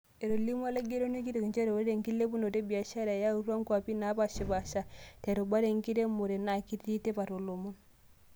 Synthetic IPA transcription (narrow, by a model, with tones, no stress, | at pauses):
e˨ɾo˨li˦m˦a˦le˦ɡe˦ɾo˦ne˦ki˦ɾe˨kɲd͡ʒe˦ɾe˨o˦ɾɾe˨ŋki˦lːe˦pu˦no˨te˦bi˨a˨ʃa˦ɾa˨ja˦u˦ɾwa˦ŋkwa˨pi˦na˦pa˦˨ʃi˨ba˨ʃa˦tɛ˨ɾo˨ba˦ɾe˨ŋki˦ɾe˦mo˨ɾe˨na˨ki˦tːi˦te˦pa˨ɾo˨lo˨mu˦n